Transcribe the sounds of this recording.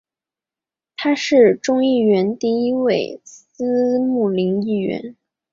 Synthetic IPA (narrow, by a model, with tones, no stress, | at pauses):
t̪ʰa˥ʂɻ̩˥˩ʈ͡ʂʊ˥ŋi˥˩ɥɛ˧˥nt̪i˥˩i˥we˥˩ɪsɹ̩˥mu˥˩li˧˥ni˥˩ɥɛ̰˧˥n